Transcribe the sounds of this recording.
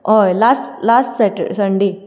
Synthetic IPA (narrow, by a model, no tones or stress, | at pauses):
ojlaslasʈseʈsəɳɖi